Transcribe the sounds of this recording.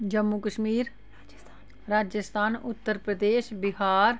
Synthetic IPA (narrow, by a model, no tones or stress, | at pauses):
d͡ʒəmːukəʃmiːɾ | ɾaːd͡ʒəst̪ʰaːnʊt̪ːəɾpɾəd̪eːʃbɪɦaːɾ